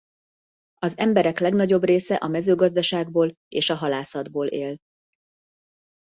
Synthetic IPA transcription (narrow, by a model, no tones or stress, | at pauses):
ɒzɛmbɛɾɛklɛɡnɒɟo̞breːsɛʔɒmɛzøːɡɒzd̪ɒʃaːɡ̚boːl | ḛːʃɒɦɒlaːsɒd̪boːlʔeːl